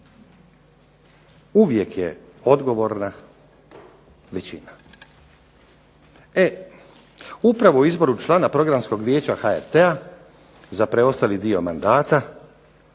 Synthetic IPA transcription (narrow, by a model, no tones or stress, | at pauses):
uʋje̞kjḛo̞d̪ɡo̞ʋo̞ɾna | ʋet͡ɕina | e | upɾaʋo̞uizbo̞ɾut͡ʃlˠaːnapɾo̞ɡɾamsko̞ɡʋjeːt͡ɕaxaḛɾt̪ea | zapɾeo̞st̪alid̪io̞mand̪aːt̪a